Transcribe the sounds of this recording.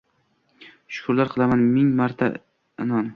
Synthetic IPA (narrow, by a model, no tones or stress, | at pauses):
ʃʊ̥kʰʊɾlaɾqʰɨlˠamanmɪŋmaɾt̪ʰa̰ | ɪnɒn